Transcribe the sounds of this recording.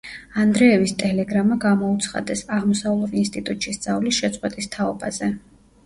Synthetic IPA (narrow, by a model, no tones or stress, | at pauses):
and̪ɾɛɛvist̪ʼɛlɛɡɾamaɡamɔut̪sʰχa̰d̪ɛsaʁmɔsavlˠɔvinst̪ʼit̪ʼut̪ʼʃisd̪z̥avlisʃɛt̪sʼqʼwɛt̪ʼist̪ʰaɔbazɛ